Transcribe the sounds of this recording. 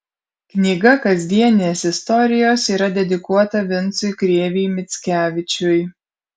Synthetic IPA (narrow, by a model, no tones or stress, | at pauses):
knʲiːɡɐkɐzʲd̪ʲiɛnʲɪnʲeːsɪst̪ɔɾʲɪjoːsiːɾɐd̪ʲɛd̪ʲɪkuɔt̪ɐʋʲɪnˑt̪sʊjkɾʲeːʋʲɪɪmʲɪt̪sʲkʲæːʋʲɪt͡ʃʲʊj